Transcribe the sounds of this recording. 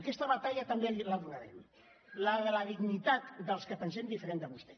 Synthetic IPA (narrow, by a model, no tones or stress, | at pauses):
kɛst̪əβat̪aʎat̪əmbeləβunəɾɛm | lələðiɣnit̪at̪d̪əlˠskəpənsemd̪ifəɾend̪əβust̪ɛ